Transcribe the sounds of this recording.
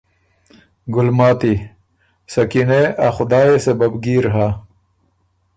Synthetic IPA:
ɡʊlmaːt̪i | sɐkineaxʊd̪aːesɐbɐbɡiːɾɦa

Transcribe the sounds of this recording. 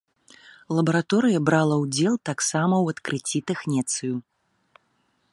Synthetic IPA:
lˠɐbɐɾat̪ɔɾɨjɐbɾalˠɐwd͡zʲɛlˠt̪aksamɐwɐt̪kɾɨt͡sʲːit̪ɛxnʲɛt̪sɨju

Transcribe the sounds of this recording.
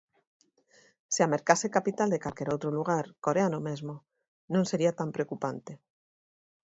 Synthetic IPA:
seameɾkasekapit̪ald̪ekalkeɾowt̪ɾoluɣ̞aɾkoɾeanomezmo | nõŋseɾiat̪ampɾeokupant̪e

